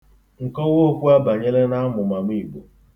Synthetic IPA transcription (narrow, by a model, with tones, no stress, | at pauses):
ŋ̩˨kɔ˦wo˦kʷu˦a˦ba˨ɲe˦le˦na˦mʊ˨ma˨mi˦˨ɡ͡bo˨